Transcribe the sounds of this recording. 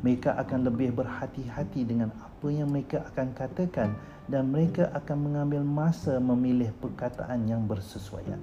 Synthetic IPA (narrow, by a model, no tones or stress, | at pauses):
məɾekaʔakanləbɪhbərhat̪iɦat̪idəŋãnapəjaŋməɾekaʔakankat̪əkan | danməɾekaʔakanmə̃ŋãmbɪlmãsamə̃milɪhpərkat̪a̰ʔanjaŋbərsəsua̰ja̰